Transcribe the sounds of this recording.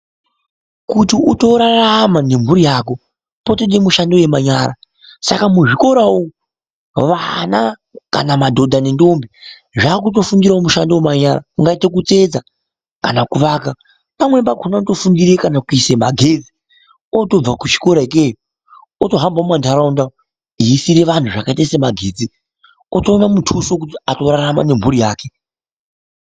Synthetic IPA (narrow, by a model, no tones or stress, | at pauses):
kutiuto̞ɾaramane̞m̤uɾijaːko̞ | potoɗemuʃandoje̞maɲaːɾa̰ | sa̰kamuʐiko̞ɾawo | ʋana | ka̰namadʱo̞dʱanendombi | ʐaːkut̬o̞fundiɾaomuʃandowemaɲaɾa̰uŋɡaite̞kut͡se̞d͡za | kanakuʋaka | pamwe̞mbaɡʱonato̞fundiɾekanakuisemaɡʱed͡zi̥ | oto̞b͡vakut͡ʃi̥ko̞ɾaik̬ejo | oto̞ɦambamandaɾaunda | iisiɾe̞ʋantuʐakaitaisemaɡʱe̞ːd͡zi | otoːnamutʰusok̬utiato̞raɾama̰ne̞m̤uɾijaːke